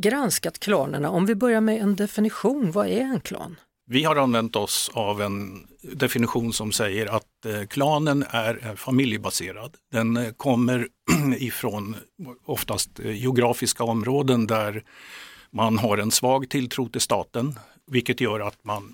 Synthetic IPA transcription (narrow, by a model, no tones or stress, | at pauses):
ɡɾanskat̪kʰlɑːnə̰ɳaɔmvɪbœɾjaɾmɛɛnd̪ɛfɪnɪɧuːnvaæɾɛnkʰlɑ̰ːn | vɪhaɾanvɛnt̪ɔsavɛn | d̪ɛfɪnɪɧuːnsɔmsɛjːəɾat̪̚kʰlɑːnənæɾɛnfamɪljəbaseːɾad̪d̪ɛnkʰɔmːəɾ | ɪfɾonɔft̪ast̪jɛʊɡɾɑːfɪskaɔmɾoːd̪ənd̪æɾ | manɦaɾɛnsvɑːɡt̪ʰɪlt̪ʰɾuːt̪ɪlst̪ɑːt̪ən | vɪlkət̪jœːɾat̪man